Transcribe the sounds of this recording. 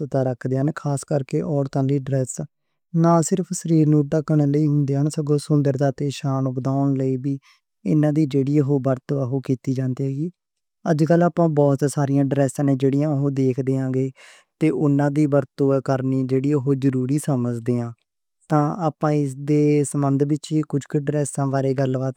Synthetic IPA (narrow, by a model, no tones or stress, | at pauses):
t̪aːɾəkʰd̪eːɦənkʰaːskəɾkeːʔɔːɽt̪ãːnɾiːɖɾɛːs | nãːsɪɾəpʰsəɾiːɾnũːʈəkəɳ̃ːləiːɦʊ̃nd̪eːɦənsəɡõːsʊnd̪əɾd̪aːt̪eːʃaːnʊkd̪aːʊɳləiːbiː | ɪ̰nãːd̪iːd͡ʒeːɽiːəɦoːbəɾt̪oːɛɦoːkiːt̪iːd͡ʒãːnd̪iːɦɛːɡiː | əd͡ʒkəlaːpãːbɔːt̪saːɾijãːɖɾɛːsãːnẽːd͡ʒeːɽijãːɦoːd̪eːkʰd̪eːãːɡeː | t̪eːʔʊnãːd̪iːbəɾt̪oːkəɾniːd͡ʒeːɽiːəɦoːd͡ʒəɾuːɾiːsəməd͡ʒd̪eːãː | t̪ãːaːpãːɪsd̪eːsəmənd̪bɪt͡ʃiːkʊd͡ʒkɪɖɾɛːsãːʋaːɾeːɡəlʋaːt̪